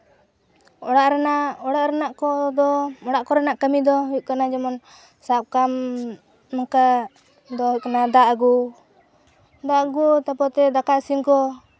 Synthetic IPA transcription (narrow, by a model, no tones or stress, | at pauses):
ɔɽaʔɾanaɔɽaʔɾanaʔkɔd̪ɔɔɽaʔkɔɾanaʔkamid̪ɔɦukanad͡ʒɔmɔn | sap̚kam | naka | d̪ɔɦukanad̪aʔɡu | d̪aʔɡut̪apɔt̪ɛd̪akaʔsimkɔ